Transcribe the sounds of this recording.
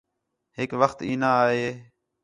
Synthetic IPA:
ɦɪkʋəxt̪iːnãːɦeː

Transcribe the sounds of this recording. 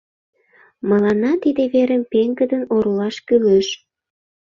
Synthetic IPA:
məlɑnɑt̪id̪eβeɾəmpeŋɡəd̪ənoɾolɑʃkyløʃ

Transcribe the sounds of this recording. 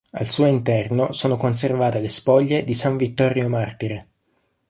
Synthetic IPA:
a̰lsuːoint̪ɛrnosoːnokons̬ervaːt̪elespɔʎːed̪isaɱvit̪ːɔɾjomart̪iɾe

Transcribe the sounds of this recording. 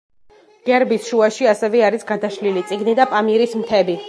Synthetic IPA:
ɡ̥ɛɾbisʃuaʃiasɛvɛaɾisɡad̪aʃlilit̪sʼiɡnid̪apʼamiɾismt̪ʰɛbi

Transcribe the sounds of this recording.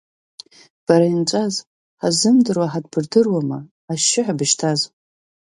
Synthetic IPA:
b̥aɾaint͡ʃʷʼaz | ħazɨmdɨrwaħadbɨrdɨrwamaː | ʃɪħabɨʃtʰaz

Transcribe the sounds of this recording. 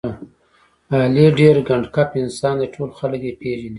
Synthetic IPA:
aleɖeɾɡaɳɖkapɪnsɑnd̪eʈʰolxaləkjepeʒani

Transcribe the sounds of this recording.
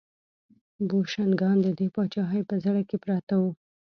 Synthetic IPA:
boʃanɡɑnd̪əd̪epɑt͡ʃɑɦajpəzaɽakepɾɑt̪awu

